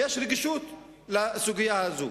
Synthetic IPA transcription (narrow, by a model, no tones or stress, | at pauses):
jeːʃɾɪɡɪʃuːt̪ | lɪsʊɡɪjahazṵː